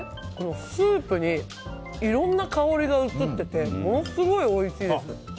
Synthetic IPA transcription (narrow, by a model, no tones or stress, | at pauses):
ko̞no̞sɯːpɯ̟ɲ̟i | iɾõ̞nːakao̞ɾʲiɡaɯ̟t͡sɨt̪ːe̞t̪e̞mo̞no̞sɨɡo̞io̞iɕiːd̪esɨ